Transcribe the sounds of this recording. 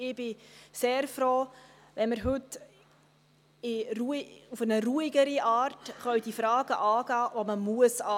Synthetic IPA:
ɪb̥ɪseːɾfɾoː | ʋɛnməɾɦɵt | ɪɾuiufənəɾuːiɡəɾiʔɑːɾtχœɥd̥ifɾɑːɡ̥əʔɑːɡɑːʋoməmuəsɑː

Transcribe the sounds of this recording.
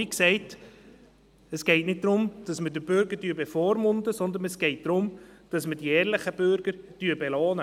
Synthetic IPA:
iksɛɪt | ɛsɡ̥ɛɪtnɪt̚d̥̪ɾʊmd̥ɑsmədəbʏɾɡəɾdyːəbɛfɔːɾmʊndəsɔnd̪ənɛsɡ̥ɛɪt̚d̥ɾʊmd̥ɑsməd̥iɛːɾlɪχəb̥øɾɡ̥əɾd̥yəbɛlɑːnə

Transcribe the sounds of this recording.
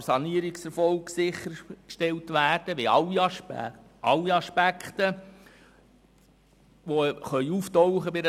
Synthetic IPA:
sɑniːəɾiksɛɾfɔlksɪχːəɾkʃtɛltʋæːɾd̥əʋeɑlːi | ʔɑlːiɑʃpækχt̪ə | ʋoχœʏuːftɔwχəbɪɾ

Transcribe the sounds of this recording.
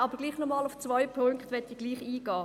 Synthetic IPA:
ɑbəɾɡliːχnɔmɑːluft͡svœjpʰʊŋkt̪ʋɛtiɡliːχiːɡ̥ɑː

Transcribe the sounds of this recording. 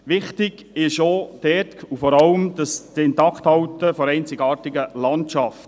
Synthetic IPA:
ʋɪχtɪɡ | ɪʃod̥ɛtkufɔɾɑləmd̥ɑsdɪntɑkʰt̪hɑwtəfɔɾɛɪnt͡sɪɡɑːɾtɪɡəlɑntʃɑft

